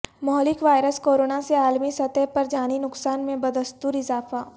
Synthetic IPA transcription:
mɔɦlɪkʋaːjɾəskoːɾoːnaseaːlmisɐt̪ɛpɐɾd͡ʒaːninʊksaːnmẽbɐd̪əst̪uːɾɪzaːfaː

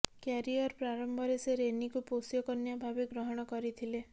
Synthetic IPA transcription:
kaɾiɔɾpɾaɾɔmbʱɔɾeseɾenikuposjɔkɔnjabʱabeɡɾɔɦɔɽ̃ɔkɔɾit̪ʰile

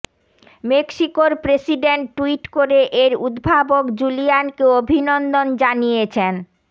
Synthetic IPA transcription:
mekʃikoɾpɾesiɖeɳʈːuiʈkoɾeʔeɾud̪bʱabokd͡ʑulijankeobʱinɔnd̪ond͡ʑanijet͡ɕʰen

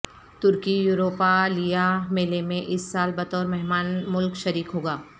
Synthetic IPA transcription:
t̪ʊɾkijuːɾoːpalijameːlemẽʔɪsːaːlbɐt̪ɔːɾmɛɦmaːnmʊlkʃɐɾiːkɦoːɡaː

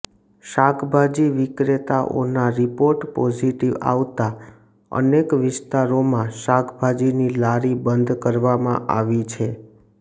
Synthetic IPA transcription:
ʃakʰbʱad͡ʒiʋɪkɾet̪aʔo̰naɾipoɾʈpɔd͡ʒiʈiʋa̰ʋt̪a | ə̰nekʋɪst̪aɾomãʃakʰbʱad͡ʒinilaɾibənd̪ʱkəɾʋamã̰ʔaʋit͡ʃʰe

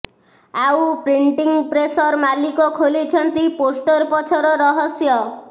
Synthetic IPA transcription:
awpɾiɳʈiŋɡpɾesɔɾmalikɔkʰolit͡ʃʰɔnt̪iposʈɔɾpɔt͡ʃʰɔɾɔɾɔɦɔsjɔ

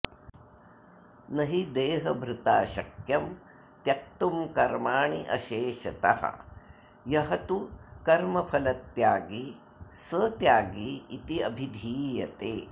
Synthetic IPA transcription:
nɐɦid̪eːɦɐbʱɾut̪aːʃɐkjɐm | t̪jɐk̚t̪umkɐɾmaːɳiʔɐ̰ʃeːʃɐt̪ɐ̰ɦɐ̰ | jɐɦɐt̪ukɐɾmɐpʰɐlɐt̪jaːɡi | sət̪jaːɡiːt̪iɐbʱid̪ʱiːjɐt̪eː

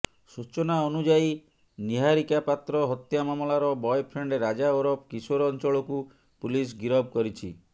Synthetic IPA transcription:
sut͡ʃɔnaɔnud͡ʒai | niɦaɾikapat̪ɾɔɦɔt̪jamamɔlaɾɔbɔjpʰɾeɳɖeɾad͡ʒaoɾɔp̚kisoɾɔnt͡ʃɔɭɔku | pulis̬ɡiɾɔb̚ʱkɔɾit͡ʃʰi

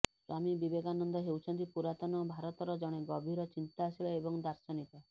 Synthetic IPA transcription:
samibibeɡanɔnd̪ɔɦewt͡ʃʰɔnt̪̬ipuɾat̪ɔnɔbʱaɾɔt̪ɔɾɔd͡ʒɔɽ̃eɡɔbʱiɾɔt͡ʃint̪aːsilɔebɔŋd̪aɾsɔnit̪ɔ

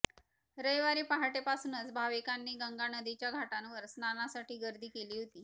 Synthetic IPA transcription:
ɾəjʋaɾiːpaɦaʈepasuːnət͡sbʱaʋikanːiːɡəŋɡanəd̪it͡ɕjaɡʱaʈanʋəɾsnanasaʈiːɡəɾd̪ʱiːkeliːɦot̪iː

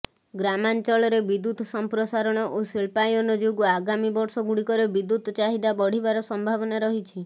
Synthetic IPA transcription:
ɡɾamant͡ʃɔɭɔɾebid̪ut̪sɔmpɾosaɾɔɽ̃ɔʔosilpajɔnɔd͡ʒoɡuaɡamibɔɾsɔɡuɽikɔɾebid̪ut̪t͡ʃaɦid̪abɔɽ̤ibaɾɔsɔmbʱabɔnaɾɔɦit͡ʃʰi

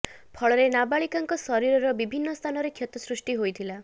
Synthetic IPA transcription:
pʰɔɭɔɾenabaɭikaŋkɔsɔɾiɾɔɾɔbibʱinːɔst̪ʰanɔɾekʰjɔt̪ɔsɾusʈiɦojt̪ʰila

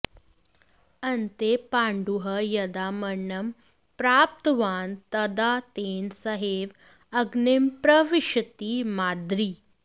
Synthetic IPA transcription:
ənt̪epãɳɖuɦəjɐd̪aməɳːəm | pɾaːp̚t̪ʋaːnt̪əd̪at̪ensəɦeʋ | əɡnempɾəʋiʂət̪iːmad̪ɾiː

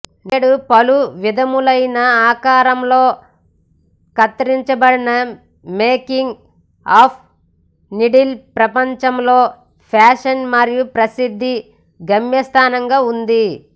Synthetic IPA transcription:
neːɽupɐluʋid̪ʱɐmulɐjnɐaːkaːɾɐmlo̞ː | kɐt̪ɾiɲt͡ʃɐbɐɽinɐ | meːkiŋɡ | aːp̚ʰ | niɖilpɾɐpɐɲt͡ʃɐmlo̞ː | pʰaːʂɐnmɐɾijupɾɐsid̪ʱːi | ɡɐmjɐst̪ʰaːnɐŋɡaːund̪i

